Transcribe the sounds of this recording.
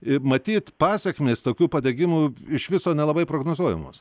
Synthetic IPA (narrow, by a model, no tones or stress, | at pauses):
ɪmɐt̪ʲiːt̪pɑːsʲɛkʲmʲeːst̪oːkʲuːpɐd̪ʲeɡʲɪmuɪʃʋʲɪsoːnʲɛlˠɐbɐɪpɾoːɡnoːzuɔjɛ̰mo̰ːs